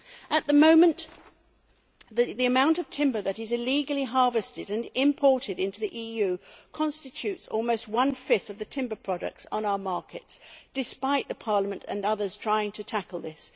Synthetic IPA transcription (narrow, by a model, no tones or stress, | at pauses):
ʔɨt̪̚ðəmõʊ̃mɨ̃nʔ | ðiɨmãʊ̃ntʌv̥tʰɪ̃mbə˞ðɨɾɨzɨliɡl̩ˠiɦɑɹvɨstɨɾɨ̃nɪ̃mpʰɔɹɾɨɾɪ̃ntʉðiʔijʉkʰɑ̃nstɨt͡ʃʰʉtsɔ̰lˠmoʊst̚wʌ̃nfɪθʌvðɨtʰɪ̃mbə˞pʰɹ̥ɑɾɨ̰k̚tsn̩aʊə˞mɑɹkʰɨtsd̥ɨspaɪt̪̚ðɨpʰɑɹləmɨ̃ntɨ̰̃nʌðə˞z̥tʰɹ̥aɪɪ̃ŋtʰɨtʰækl̩ˠðɪs